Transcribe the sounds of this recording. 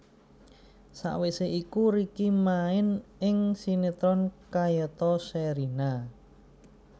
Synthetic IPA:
sa̰ʔweseʔikuɾikimaɪnɪŋsinet̪ɾɔnkajət̪ɔsɛɾina

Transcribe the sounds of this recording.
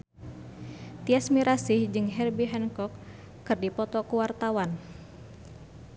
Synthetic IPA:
t̪iasmiɾasihd͡ʒɨŋɦɛrbiɦɛnkɔkː | ɨrdipɔt̪ɔkuwart̪awan

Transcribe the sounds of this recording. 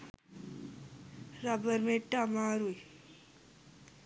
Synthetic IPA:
ɾabəɾmẽʈamaːɾuj

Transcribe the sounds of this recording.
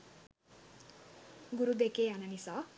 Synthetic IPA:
ɡuɾud̪ekeɦananisʌ

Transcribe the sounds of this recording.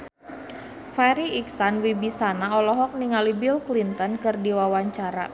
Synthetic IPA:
faɾiiksanwibisanaɔlɔɦɔk̚niŋalibilklint̪ɔnkɨrdiwawaɲt͡ʃaɾa̰

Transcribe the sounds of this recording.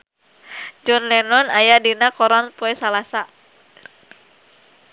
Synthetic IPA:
d͡ʒɔnlɛnɔnajadinakɔɾɔnpɔɛsalasa

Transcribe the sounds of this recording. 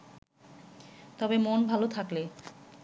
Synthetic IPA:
t̪ɔbemonbʱalot̪ʰakle

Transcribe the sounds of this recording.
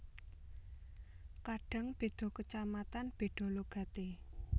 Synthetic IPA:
kaɖ̥a̤ŋb̥e̤ɖ̪̥ɔ̤kət͡ʃamat̪anb̥e̤ɖ̪̥ɔ̤loɡ̥a̤t̪e

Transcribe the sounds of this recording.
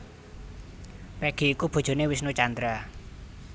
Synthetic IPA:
pɛɡ̥i̤ːkub̥o̤d̥ʒ̥o̤newisnut͡ʃand̪ɾa

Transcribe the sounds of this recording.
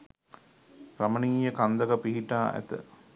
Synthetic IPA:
ɾɐməniːjəkand̪ɐkɐpiɦiʈaːʔæ̰t̪ə̰

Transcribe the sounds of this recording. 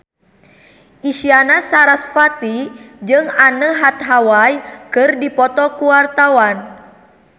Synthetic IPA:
ʔiʃianasaɾasfat̪id͡ʒɨŋanəɦat̪̚ɦawajkɨrdipɔt̪ɔkuwart̪awan

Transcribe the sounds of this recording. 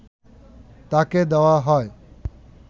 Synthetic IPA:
t̪aːked̪ɐʋaɦɔːe

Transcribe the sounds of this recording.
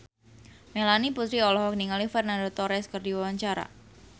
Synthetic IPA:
melaniput̪ɾiɔlɔɦɔk̚niŋalifɛrnandot̪ɔɾɛskərdiwawaɲt͡ʃaɾa̰

